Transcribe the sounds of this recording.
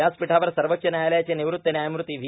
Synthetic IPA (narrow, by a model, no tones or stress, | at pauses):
aːspiʈʰaːʋɐɾsɐɾʋɐtt͡ʃɐnaːjɐleːt͡ɕɐniʋɾut̪ːɐnaːjmɾut̪iʋʱi